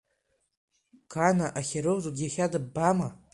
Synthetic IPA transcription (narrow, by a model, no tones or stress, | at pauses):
kʰanaʔaχʲeɾɨzuɡʲiaχʲadɨbama